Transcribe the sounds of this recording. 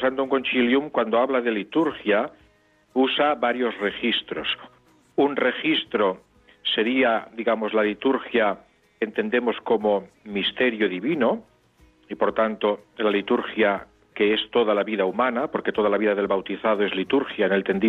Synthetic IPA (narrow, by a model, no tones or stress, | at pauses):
sand̪ouŋkont͡ʃiljumkwand̪oaβlaðe̞lit̪uɾxja | usaβaɾjo̞zre̞xist̪ɾos | unre̞xist̪ɾo̞ | se̞ɾiad̪iɣamozlalit̪uɾxja | kent̪e̞nd̪e̞mo̞sko̞mo | mist̪e̞ɾjoðiβino̞ | ipo̞ɾt̪ant̪olalit̪uɾxja | ke̞est̪o̞ðalaβiðaumanapo̞ɾket̪o̞ðalaβiðaðe̞lβawt̪iθaðoe̞zlit̪uɾxjaenelt̪e̞nd̪i